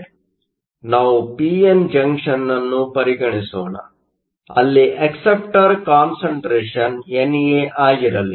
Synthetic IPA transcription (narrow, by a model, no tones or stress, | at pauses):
naːʋupiːend͡ʒɐŋkʂɐnːɐnːupɐɾiɡɐɳisoːɳɐ̰ | ɐ̰lːiʔɐksep̚ʈɐɾkaːnsɐɳʈɾeːʂɐnenijeːʔaːɡiɾɐli